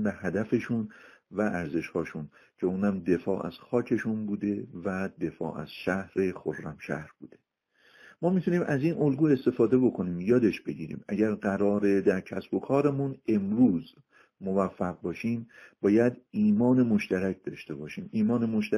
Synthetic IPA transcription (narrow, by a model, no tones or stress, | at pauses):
bæhæd̪æfe̞ʃunvæʔæɾze̞ʃhɒːʃun | cʰe̞uːnæmd̪e̞fɒ̰ːʔæ̰z̥xɒːcʰe̞ʃunbuːd̪e̞væd̪e̞fɒ̰ːʔæ̰z̥ʃæhɾe̞xorːæmʃæ̰hɾb̥ṵːd̪e̥ | mɒːmit̪ʰuniːmʔæziːnʔo̞lɡuːe̞st̪e̞fɒːd̪e̞bo̞kʰo̞niːmjɒːd̪e̞ʃb̥e̞ɟiːɾḭːmæɟæɾɢæɾɒːɾe̞d̪æɾcʰæsb̥o̞kʰɒːɾemune̞mɾuːz | movæfːæɣbɒːʃiːmbɒːjæd̪iːmɒːnemo̞ʃt̪æɾæc̚ʰd̪ɒ̰ːʃt̪e̞bɒːʃiːmiːmɒːne̞moʃt̪æ